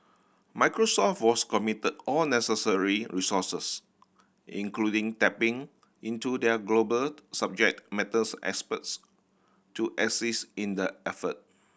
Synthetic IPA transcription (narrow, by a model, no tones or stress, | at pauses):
maɪkɹosɔft̚wɔskɔmitədɔlnɛsəsəɹiɹisɔsəs | ḭ̃ŋkludĩŋtɛpɪ̃ŋ | ĩntudɛɡlobəlsab̚d͡ʒɛk̚t̚mɛtəsɛ̰kspəts | tuʔɛsisĩndəɛfət̚